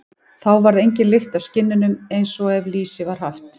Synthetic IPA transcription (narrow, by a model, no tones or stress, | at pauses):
θawvaɾðejɲcɪnlɪxt̪avscɪnːɪnʏmejnsɔɛvliːsɪvaɾ̥ɦaft̪